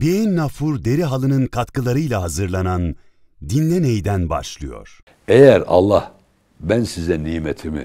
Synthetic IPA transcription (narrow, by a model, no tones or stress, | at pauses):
beinːafuɾd̪e̞ɾiɦalˠɯnɯnkʰat̪kɯlˠaɾɯjlʲˠaɦazɯɾlˠanan | d̪inlʲɛnejd̪ænba̰ʃlˠɯjo̞̰ɾ̥ | ejæɾɑ̰lˠːah | bænsizɛniːmet̪ʰimḭ